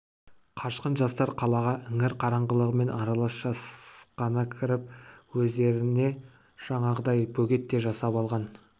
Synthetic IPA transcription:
qʰɑʃqənʒɑst̪ɑɾqʰɑlˠɑʁɑʔɪŋɪɾqʰɑɾɑɴʁəlˠəʁəme̞nɑɾɑlˠɑsʒ̥ɑsqɑnəkʲʰɪɾɪp̚wɵzd̪e̞ɾɪne̞ | ʒ̥ɑɴɑʁəd̪ɑjbɵɡʲe̞t̪ːe̞ʒɑsɑpɑlˠʁɑn

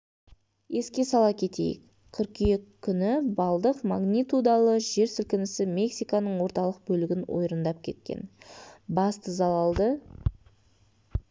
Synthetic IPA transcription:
e̞skʲe̞sɑlˠɑkʲʰe̞t̪e̞̰jɪ̰k | kʲʰʏɾkijekkʲʰːʏnɪbɑlˠd̪əqmaɡnʲit̪ud̪ɑlˠəʒe̞ɾsʏlkʲɪnɪsɪmʲe̞ksijkɑnəɴwo̞ɾt̪ɑlˠəq̚bɵlɪɡʲɪnwo̰jɾənd̪ɑp̚kʲʰe̞̰t̪̚kʲe̞̰nbɑst̪əzɑlˠɑlˠd̪ə

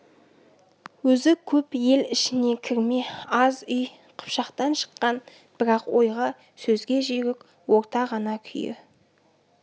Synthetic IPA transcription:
wɵzɪkʲʰɵpje̞lɪʃɪne̞kʲʰɪɾmeɑzʏj | qʰʊ̥pʃɑqt̪ɑnʃə̥qːɑn | b̥ɪɾɑqwo̞jʁɑ | sɵzɡʲe̞ʒeɡʲɪk | wo̞ɾt̪ɑʁɑnɑkʲʰʏ̰jɪ̰

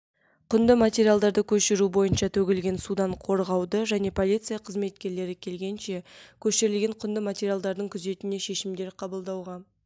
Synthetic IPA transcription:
qʰʊnd̪əmat̪ʲeɾijalˠd̪ɑɾd̪əkʲʰɵʃɪɾubo̞jənʃɑt̪ʰɵɡʲɪlɡʲe̞nsud̪ɑɴqʰo̞ɾʁɑwd̪əʒæne̞pʰo̞lʲit̪sɨjɑqʰəzme̞t̪kʲe̞ɾle̞ɾɪkʲʰe̞lɡʲe̞nʃe̞kʲʰɵʃɪɾɪlɡʲe̞ɴqʰʊnd̪əmat̪ʲe̞ɾʲijalˠd̪ɑɾd̪əɴkʲʰʏze̞t̪ɪne̞ʃe̞ʃɪmd̪e̞ɾqʰɑbəlˠd̪ɑwʁɑ

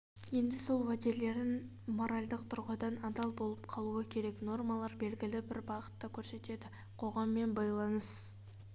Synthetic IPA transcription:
je̞nd̪ɪso̞lˠwad̪ele̞ɾd̪ɪŋ | mo̞ɾalʲd̪əqt̪ʰʊɾʁəd̪ɑnɑd̪ɑlˠbo̞lˠəpqʰɑlˠuɑkʲʰe̞ɾe̞kno̞rmɑlˠɑɾbe̞lɡʲɪlɪbɪɾbɑʁə̥t̪ːɑkʲʰɵɾse̞t̪e̞d̪ɪ | qʰo̞ʁɑmːe̞nbɑjlˠɑnəs

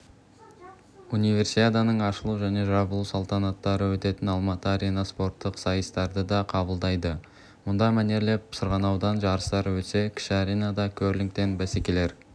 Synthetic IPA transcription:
unijvʲe̞rsit̪ed̪ɑnəɴɑʃəlˠuʒæne̞ʒɑbəlˠusolˠt̪ɑnɑt̪ːɑɾəwɵt̪e̞t̪ɪnɑlˠmɑt̪əaɾʲenaspo̞rt̪ːəqsɑjəst̪ɑɾd̪əd̪ɑqʰɑbəlˠd̪ɑjd̪ə | mʊnd̪ɑmæne̞ɾle̞p̚psəɾʁɑnɑwd̪ɑnʒɑɾəst̪ɑɾəwɵt̪se̞kʲʰɪ̥ʃaɾejnɑd̪ɑkʲʰɵɾlɪŋk̚t̪e̞nbæsekʲe̞le̞ɾ

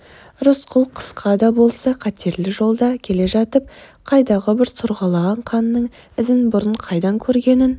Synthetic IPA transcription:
rʊsqʰʊlˠqʰə̥sqʰɑd̪ɑbo̞lˠsɑqʰɑt̪ʰe̞ɾlɪʒo̞lˠd̪ɑkʲʰe̞le̞ʒɑt̪əp̚qʰɑjd̪ɑʁəbɪɾt̪ʰʊɾʁɑlˠɑʁɑɴqʰɑnːəɴ | ɪzɪnbʊɾəɴqʰɑjd̪ɑŋkʲʰɵɾɡʲe̞nɪn

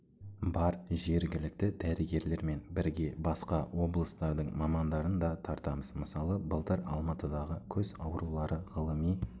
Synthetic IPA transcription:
bɑɾʒe̞ɾɡʲɪlɪk̚t̪ɪd̪̥æɾɪɡʲe̞ɾle̞ɾme̞nbɪɾɡʲe̞bɑsqɑwo̞blˠəst̪ɑɾd̪əɴmɑmɑnd̪ɑɾənd̪ɑt̪ʰɑɾt̪ɑməzməsɑlˠəbəlˠt̪əɾɑ̰lˠmɑt̪əd̪ɑʁəkʲʰɵzɑwɾulˠɑɾəʁəlˠəmij

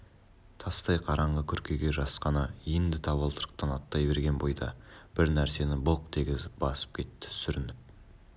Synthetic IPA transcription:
t̪ʰɑst̪ɑjqʰɑɾɑɴʁəkʲʰʏɾkʲʰe̞ɡʲe̞ʒɑsqɑnɑjend̪ɪt̪ʰɑβəlˠt̪ʰəɾəq̚t̪ɑnɑt̪ːɑjbe̞ɾɡʲe̞nbo̞jd̪ɑ̰b̥ɪɾnæɾse̞nɪboq̚t̪ʰe̞ɡʲɪzɪpb̥ɑsə̥p̚kʲʰe̞t̪ːɪ̥sʏɾɪnɪp̚

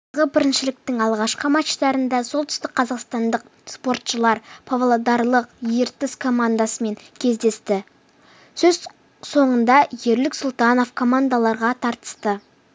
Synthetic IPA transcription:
ʁəbɪɾɪnʃɪlɪk̚t̪ɪŋɑlˠʁɑʃqəmɑʃt̪ɑɾənd̪ɑso̞lˠt̪ʰʏ̥st̪ɪk̚qʰɑzɑqst̪ɑnd̪əq̚ | spo̞rt̪ʃəlˠɑɾpʰavlˠod̪ɑɾlˠəqjeɾt̪ɪskʰo̞mand̪asəme̞ŋkʲʰe̞zd̪e̞st̪ɪ | sɵz | so̞ɴənd̪ɑje̞ɾlɪksʊlˠt̪ɑno̞fkʰo̞mand̪alˠɑɾʁɑt̪ʰɑɾt̪ə̥st̪ə

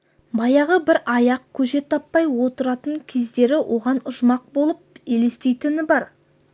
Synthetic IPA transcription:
bɑjɑʁəbɪɾɑjɑq̚kʲʰɵʃe̞t̪ʰɑpːɑjwo̞t̪əɾɑt̪əɴkʲʰe̞zd̪e̞ɾɪwʔo̞ʁɑnʊʒmɑq̚bo̞lˠəp̚ele̞st̪e̞jt̪ɪnɪbɑɾ

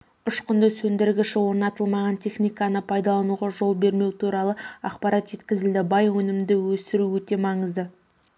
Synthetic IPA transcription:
ʊʃqʊnd̪əsɵnd̪ɪɾɡʲɪʃɪwo̞ɾnɑt̪əlˠmɑʁɑnt̪ʰe̞χnijkɑnəpʰɑjd̪ɑlˠɑnuʁɑʒo̞lˠbe̞ɾme̞wt̪ʰuɾɑlˠəɑ̰qpɑɾʔɑt̪ʒe̞t̪kʲɪzɪld̪ɪbɑjwɵnɪmd̪ɪwɵsɪɾuwɵt̪e̞mɑɴəzd̪ə

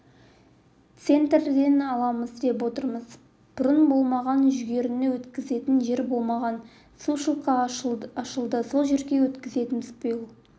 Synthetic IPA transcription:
t̪se̞nt̪rd̪e̞nɑlˠɑməzd̪e̞p̬wo̞t̪əɾməz | b̥ʊɾənbo̞lˠmɑʁɑnʒʏɡʲe̞ɾɪnɪwɵt̪kʲɪze̞t̪ɪnʒe̞ɾbo̞lˠmɑʁɑn | suʃəlˠqɑɑʃəlˠd̪əso̞lˠʒeɾɡʲe̞wɵt̪kʲɪze̞t̪ɪnɪzbʰʊjəlˠ

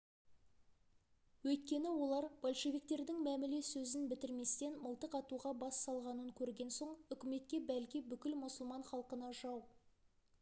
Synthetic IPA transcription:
wɵjt̪̚kʲe̞nɪwo̞lˠɑɾb̥olˠʃe̞vikt̪e̞ɾd̪ɪŋmæmɪlesɵzɪnbɪt̪ɪɾme̞st̪e̞nməlˠt̪əqɑt̪uʁɑbɑsːɑlˠʁɑnəŋkʲʰɵɾɡʲe̞nso̞ɴʏkʲɪme̞t̪kʲe̞bælkʲibʏkʲɪlmʊsəlˠmɑɴχɑlˠqənɑʒɑw

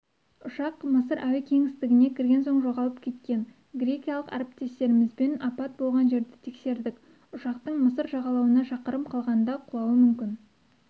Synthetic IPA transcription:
ʊʃɑqməsəɾʔæwɪkʲʰe̞ŋɪst̪ɪɡʲɪne̞kʲʰɪɾɡʲe̞nso̞ɴʒo̞ʁɑlˠəp̚kʲʰe̞t̪kʲe̞n | ɡrʲe̞kʲijɑlˠəqɑ̰ɾept̪e̞st̪e̞ɾɪmɪzbenɑpɑt̪̚bo̞lˠʁɑnʒe̞ɾd̪ɪt̪ʰe̞kse̞ɾd̪ɪk | ʊʃɑqt̪əɴməsəɾʒɑʁɑlˠɑwənɑʃɑqəɾəmqʰɑlˠʁɑnənd̪ɑqʰʊlˠɑwəmʏmkʲɪn

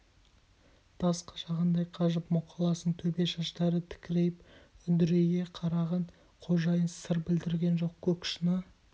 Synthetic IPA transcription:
d̪̥ɑsqɑ̥ʃɑʁənd̪ɑjqʰɑʒəpmʊqʰɑlˠɑsəɴt̪ʰɵbe̞ʃɑʃt̪ɑɾət̪ʰɪ̥kʲɪɾe̞jɪpʏd̪ɪɾeɡʲe̞qʰɑɾɑʁɑn | qʰo̞ʒɑjənsəɾbɪld̪ɪɾɡʲe̞nʒo̞qkʲʰɵkʲʃɪnə

